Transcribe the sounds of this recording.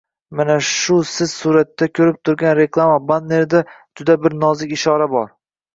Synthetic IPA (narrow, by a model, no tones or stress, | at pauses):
manaʃʊsɪz̥suɾat̪ːakʲʰɵɾɪp̚t̪ʰʊɾɡʲanɾe̞klˠamabad̪ne̞ɾd̪a | d͡ʒʊd̪abɪɾnɒzɪkʲɪʃɒɾabɒɾ